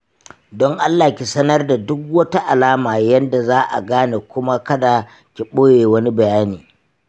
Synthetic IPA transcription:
dɔ˦ŋʔa˦lːaː˨kʲi˨sɐ˦nɐ˦rda˨dʊ˦k̚wɐ˦ta˦ʔa˨laː˦maː˨jɐ˦nda˨zaː˦ʔa̰˨ɡaː˦ne˨kʷʊ˦ma˦kɐ˦da˨ | kʲi˨ɓoː˦jeː˨wɐ˦ni˦bɐ˨jaː˦niː˨

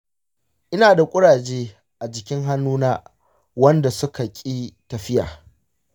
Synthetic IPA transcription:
ʔɪ˦naː˨da˨kʷʼʊ˦ɽaː˨d͡ʒeː˦ | ʔa˨d͡ʒɪ˨kʲɪ˦ŋɦa˦nːuː˦naː˦ | wɐ˦nda˨sʊ˦ka˨kʲʼiː˦tɐ˨ɸɪ˦ja̰ː˨

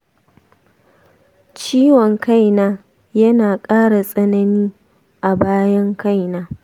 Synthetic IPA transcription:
t͡ʃiː˦wɔ˨ŋka˦jnaː˦ | jɐ˦naː˨kʼaː˦ɽa˨sʼɐ˦nɐ˦niː˦ | ʔa˨baː˦jɐ˦ŋka˦jnaː˦

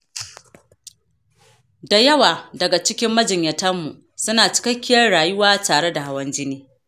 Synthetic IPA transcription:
da˨jɐ˦waː˨dɐ˨ɡa˨t͡ʃɪ˦kʲɪ˦mːɐ˦d͡ʒɪ˨ɲjɐ˨tɐ˦mːṵ˨ | sʊ˦naː˨t͡ʃɪ̥˦kɐ˦kʲːɪ˦jɐ˦rɽaː˨jʊ˦waː˦taː˨ɽe˦da˨ha˦wɐ˦nd͡ʒɪ˦niː˦

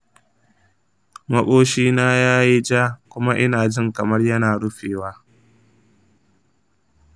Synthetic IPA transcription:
mɐ˦ɓoː˦ʃiː˦naː˦jaː˦ji˦d͡ʒaː˦kʷʊ˦ma˦ʔɪ˦naː˨d͡ʒɪ˦ŋkɐ˨mɐ˦rjɐ˦naː˨ɽʊ˦ɸeː˨waː˦

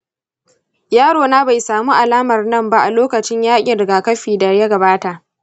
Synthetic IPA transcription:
jaː˦ɽoː˨naː˦ba˨jsaː˨muː˦ʔa˨laː˦mɐ˨rnɐ˦mba˦ʔa˨loː˦kɐ˨t͡ʃɪ˦ɲjaː˦kʲʼi˨dɡa˨kɐ˦ɸiː˨dɐ˨jɐ˦ɡɐ˨baː˦ta˨ʔ

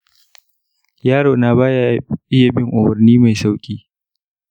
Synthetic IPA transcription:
jaː˦ɽoː˨naː˨baː˦ja˨ʔɪ˦ja˨bɪ˦ŋʔʊ˨bɐ˨rniː˦ma˨jsa˦wkʲʼiː˦

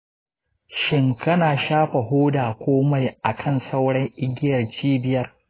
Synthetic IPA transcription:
ʃɪ˦˨ŋkɐ˦naː˨ʃaː˦ɸa˨ɦoː˦daː˨kʷoː˦ma˨jʔa˨kʰɐ˦˨nsa˦wɽɐ˦ŋʔɪ˦ɡʲɪ˦jɐ˨rt͡ʃiː˦bɪ˨jɐ˦r

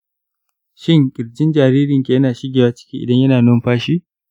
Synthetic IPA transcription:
ʃɪ˦ŋkʲʼɪ˨ɽd͡ʒɪ˦nd͡ʒaː˨ɾiː˦ɾɪ˨ŋkʲeː˨jɐ˦naː˨ʃɪ˦ɡʲeː˨waː˦t͡ʃɪ̥˦kʲiː˦ʔɪ̰˨dɐ˦ɲjɐ˦naː˨nʊ˦mɸaː˦ʃi˦

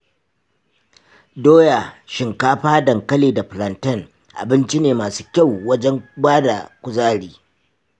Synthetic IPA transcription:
doː˦ja˨ʃɪ˨ŋkaː˦ɸaː˦dɐ˨ŋkɐ˦leː˨da˨ɸɪ˨lɐ˨ntɐ˦ŋ | ʔa̰˨bɪ˦nt͡ʃi˦neː˨maː˨su̥ː˦kʲa˦˨wwɐ˦d͡ʒɛ˦ŋbaː˦da˨kʷʊ˨zaː˦ɽiː˦

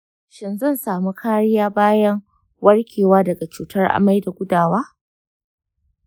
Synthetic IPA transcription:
ʃɪ˨nzɐ˦˨nsaː˨mu˦kʰaː˦ɽɪ˦jaː˦baː˦jɐ˦ŋ | wɐ˦ɽkʲʰeː˨waː˦dɐ˨ɡa˨t͡ʃuː˦tɐ˦rʔa̰˨ma˦jda˨ɡʷʊ˦daː˨waː˦

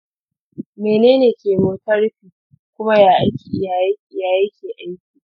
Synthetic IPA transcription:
meː˨neː˦neː˨kʲeː˨ɾoː˦tɐ˦ɽɸiː˨ | kʷʊ˦ma˦jaː˦ʔa˦jkʲiː˨ʔɪ˨ja˨jʲjaː˦jeː˦kʲeː˨ʔa˦jkʲiː˨

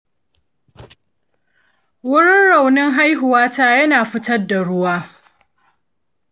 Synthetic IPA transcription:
wʊ˦ɽɪ˦nɽa˨wnɪ˦ŋɦa˦jɦʊ˨waː˦taː˦jɐ˦naː˨ɸɪ˦tɐ˦rda˨ɽʊ˦waː˦

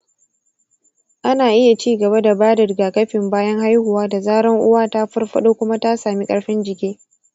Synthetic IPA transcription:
ʔa˦naː˨ʔɪ˦ja˨t͡ʃiː˦ɡɐ˨βa˦da˨baː˦dɪ˨rɡaː˨kɐ˦ɸɪ˨mbaː˦jɐ˦ŋɦa˦jhʊ˨waː˦da˨zaː˦ɽɐ˦ŋʔʊ˦waː˦ta˦ɸʊ˦rɸɐ˦ɗoː˦kʷʊ˦ma˦ta˦saː˨mi˦kʼɐ˨ɽɸɪ˦nd͡ʒɪ˨kʲeː˦

